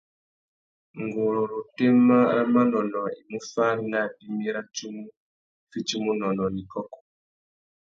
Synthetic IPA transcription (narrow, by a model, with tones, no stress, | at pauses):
ŋɡu˨lu˨ɾu˨te˦ma˦ɾa˦ma˦nɔ˨nɔ˨i˨mu˦fa˦na˦˨di˦mi˦ɾa˦t͡ʃu˦mu˦ | fi˦t͡ʃi˦mu˦nɔ˨nɔ˨ni˨kɔ˦kɔ̥˨